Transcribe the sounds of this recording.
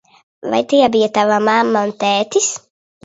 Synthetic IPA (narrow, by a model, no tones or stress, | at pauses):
va̰jt̪ijabijat̪avamamːaunt̪ɛːt̪is